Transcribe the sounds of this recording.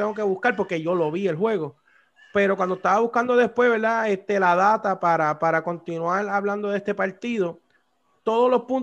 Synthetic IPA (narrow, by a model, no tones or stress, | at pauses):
eŋɡok̬eβuskaɾpo̞ɾke̞ʝo̞lo̞βie̞lɦwe̞ɣo̞ | pe̞ɾo̞kwand̪oet̪aβaβuhkand̪o̞ðe̞spwe̞ɦβe̞ɾðaest̪e̞laðat̪apaɾapaɾako̞nt̪inwaɾaβland̪o̞ðest̪e̞paɾt̪iðo̞ | t̪o̞ðolo̞spun